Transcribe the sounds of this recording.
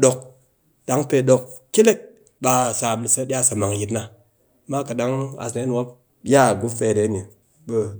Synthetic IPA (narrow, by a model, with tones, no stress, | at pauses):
ɗo˧k̚ | da˦ŋpe˧ɗo˧kkʲe˦le˦k̚ | ba˧sa˨m˨li˨sa˧˦ɗʲa˦˨sa˨ma˨ŋ˨ji˨˦tna˦ | ma˦ka˨ɗa˦ŋa̰˨sna˨˦n˨wa˦p̚ | ja˦˨ɡu˦fe˨ɾe˨˦ne˨ | bə˦